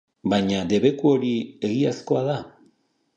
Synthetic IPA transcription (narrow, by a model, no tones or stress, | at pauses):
bajɲad̪e̞βe̞kuo̞ɾie̞ɣiasko̞aða